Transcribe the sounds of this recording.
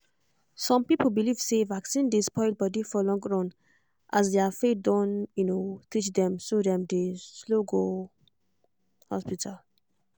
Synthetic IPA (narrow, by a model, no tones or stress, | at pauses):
sɔ̃mpipəlbilivsevaksĩndispʰɔ̃ɪ̃t̚bɔdifɔlɔ̃ŋɡɹɔ̃n | ʔas̬dɛafet̚dɔ̃njunotit͡ʃd̪ɛ̃msodɛ̃mdesloɡo | hɔ̰spitʰal